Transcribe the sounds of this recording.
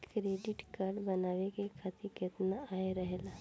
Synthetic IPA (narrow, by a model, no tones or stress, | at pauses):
kɾeːɖɪʈkaːɾɖbənaːʋekekʰat̪ɪket̪naaːeɾəɦelaː